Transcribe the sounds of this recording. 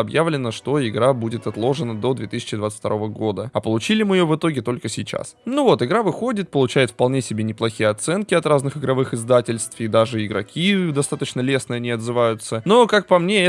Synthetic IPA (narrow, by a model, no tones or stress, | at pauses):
ɐbjavlʲɪnəʂt̪o̞ɪɡɾabudʲɪt̪ɐt̪lˠo̞ʐɨnəd̪o̞d̪vʲe̞t̪ɨsʲɪ̥t͡ɕɪd̪vat̪sɨ̥fʲt̪ɐɾo̞vəɡo̞d̪əɐpəlˠʊt͡ɕilʲɪmɨɪjovɨt̪o̞ɡʲɪt̪o̞lʲkəsʲɪjt͡ɕa̰snuvo̞t̪ɨɡɾavɨxo̞dʲɪt̪̚pəlˠʊt͡ɕæjɪt̪fpɐlˠnʲe̞sʲɪbʲenʲɪplˠɐxʲijəɐt̪sɛnkʲɪɐt̪ɾaznɨxɨɡɾɐvɨxɪzd̪atʲɪlʲst̪fɪd̪aʐɨɪɡɾɐ̰kʲid̪ɐst̪at̪ət͡ɕnəlʲe̞snəjɐnʲɪɐd̪zɨvajʊt̪səno̞kak̚pɐmnʲeɛ